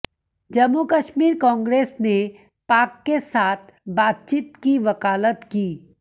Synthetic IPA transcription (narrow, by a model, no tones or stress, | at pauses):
d͡ʒɐmːukəʃmiːɾkɔ̃ːŋɡɾeːsne | paːkːesaːt̪ʰbaːt̪̚t͡ʃiːt̪kiʋɐkaːlət̪kiː